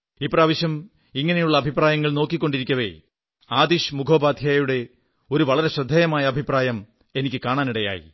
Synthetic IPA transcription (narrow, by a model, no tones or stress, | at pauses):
ipːraːʋiɕɐm | iŋːɐne̞juɭːɐɐbʱipraːjɐŋːɐɭno̞ːkːikʲːo̞ɳɖiɾikʲːɐʋḛ | aːd̪iɕmukʰo̞ːbaːd̪ʱjaːjjuɽe̞ | o̞ɾuʋɐɭɐɾe̞ɕrɐd̪ʱːɐːjɐmaːjɐɐbʱipraːjɐm | e̞nikʲːɨkaːɳaːniɽɐja̰ːjḭ